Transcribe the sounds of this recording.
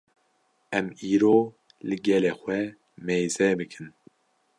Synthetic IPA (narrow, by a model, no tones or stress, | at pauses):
ɛmiːɾoː | lɨɡɛleːxʷɛ | meːzɛbɨkʰɨn